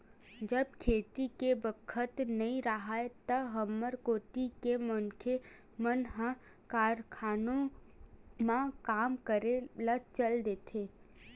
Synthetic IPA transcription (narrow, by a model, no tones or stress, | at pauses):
d͡ʒəb̚kʰeːt̪ikebəkʰət̪nɐɦĩɾəɦaet̪ɐbɦəmːəɾkoːt̪ikemʊnkʰe | mənɦə | kaːɾkʰaːnõ | mãkaːmkəɾelət͡ʃəld̪eːt̪ʰeː